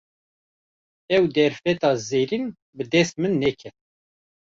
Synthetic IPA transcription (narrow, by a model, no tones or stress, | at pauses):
ɛwd̪ɛɾfɛt̪ɑːzeːɾin | bɨd̪ɛst̪̚mɨnːɛkʰɛt̪̚